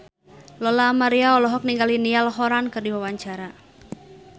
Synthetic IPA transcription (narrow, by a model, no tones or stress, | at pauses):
lɔlamaɾiaɔlɔɦɔk̚niŋɡalinialɦɔɾankɨrdiwawaɲt͡ʃaɾa